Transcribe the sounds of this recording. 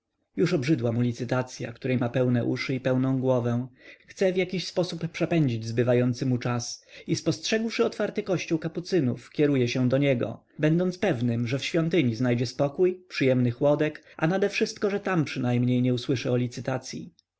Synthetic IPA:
juʂɔbʐɘd̪wamulʲit̪sɘt̪at̪sʲja̰kt̪uɾɛjmapɛwnɛʔuʂɘipɛwnɔ̃w̃ɡwɔvɛ̃xt̪sɛvjakʲiɕspɔsupːʂɛpɛɲd͡ʑid͡ʑzbɘvajɔnt̪sɘmut͡ʂasispɔstʂɛɡwʂɘɔt̪faɾt̪ɘkɔɕt͡ɕuwkaput̪sɘnufkʲɛɾujɛɕɛ̃d̪ɔɲɛɡɔ̰ | bɛnd̪ɔnt̪pɛvnɘmʐɛfɕfʲjɔnt̪ɘɲiznajd͡ʑɛspɔkujpʂɘjɛmnɘxwɔd̪ɛkʔa̰nad̪ɛfʂɘst̪kɔʐɛt̪ampʂɘnajmɲejɲɛuswɘʂɛɔlʲit̪sɘt̪at̪sʲjḭ

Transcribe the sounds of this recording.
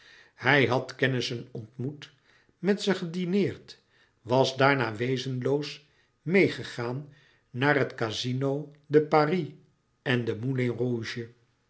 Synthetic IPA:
hɛjɦɑtkɛnɪsənɔntmut | mɛtsəχədinɪːɹt | ʋɑzdaːɹnaːʋejzənlows | mejχəχaːnː | aːrɦətkazinowdəpari | ɛndəmuleruʒə

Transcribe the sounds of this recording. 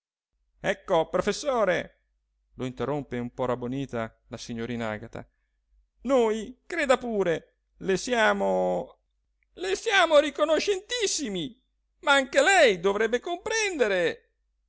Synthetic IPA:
ɛkːopɾofesːoːɾe | loint̪erompeumpɔɾaboniːt̪a | lasiɲːoɾiːna̰ɡat̪a̰ | noːjkɾeːd̪apuːɾe | lesjaːmo | lesjaːmoɾikonoʃːent̪isːimi | maaŋkelɛjd̪ovɾɛbːekompɾɛnd̪eɾe

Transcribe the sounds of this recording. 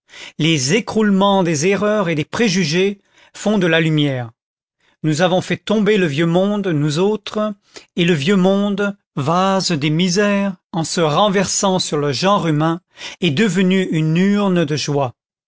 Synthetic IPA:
lezekχulmɑ̃d̪ezeʁœʁed̪epχeʒyʒe | fɔ̃d̪əlalymjɛːʁ | nuzavɔ̃fɛt̪ɔ̃beləvjømɔ̃d̪nuzot̪χ | eləvjømɔ̃d̪ | vazd̪emizɛʁɑ̃səʁɑ̃vɛʁsɑ̃syʁləʒɑ̃ʁymɛ̃ | ed̪əvənyynyʁnəd̪əʒwa

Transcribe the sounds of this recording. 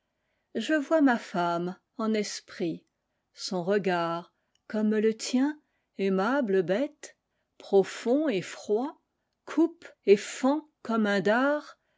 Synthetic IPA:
ʒəvwamafam | ɑ̃nɛspχi | sɔ̃ʁəɡaʁ | kɔmlət̪jɛ̃ | ɛmabləbɛt̪ | pχɔfɔ̃efχwa | kʰupefɑ̃kɔmɛ̃d̪aʁ

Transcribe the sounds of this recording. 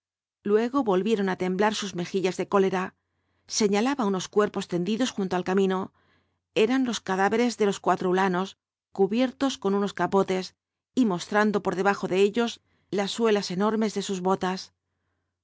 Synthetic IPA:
lwe̞ɣ̞o̞βo̞lβje̞ɾo̞nat̪e̞mblaɾsuzme̞xiʎazðe̞ko̞le̞ɾa | se̞ɲalaβauno̞skwe̞ɾpo̞st̪e̞nd̪iðo̞sxunt̪oalkamĩno | e̞ɾanlo̞skaðaβe̞ɾe̞zðe̞lo̞skwat̪ɾoulano̞s | kuβje̞ɾt̪o̞sko̞nuno̞skapo̞t̪e̞s | imo̞st̪ɾand̪o̞po̞ɾðe̞βaxo̞ðe̞eʎo̞z | lasːwe̞lase̞no̞ɾme̞zðe̞suzβo̞t̪as

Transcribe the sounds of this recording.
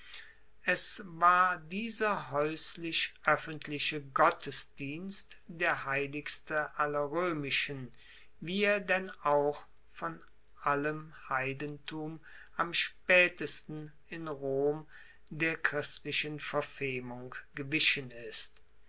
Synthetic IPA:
ʔɛsvaːɐdiːzɐɦɔʏslɪʃʔœfəntʰlɪʃəɡɔtʰəsd̥iːnstd̥eːɐɦaɪlɪkstəʔalɐʁøːmɪʃən | viːeːɐdɛnaʊx | fɔn | ʔaləmhaɪdəntʰuːm | ʔamʃpɛːtəstn̩ | ɪnʁoːm | deːɐkʁ̥ɪstlɪʃənfɛɐfɪlmʊŋɡ̥əvɪʃənɪst

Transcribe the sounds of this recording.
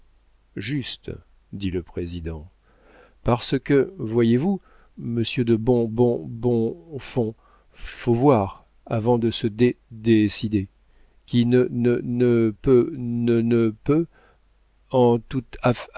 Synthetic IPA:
ʒyst̪ | d̪iləpχezid̪ɑ̃ | paʁsəkəvwajevu | məsjød̪əbɔ̃bɔ̃bɔ̃fɔ̃ | fovwaʁ | avɑ̃d̪əsəd̪ed̪esid̪e | kʲinənənəpønənəpø | ɑ̃t̪ut̪a

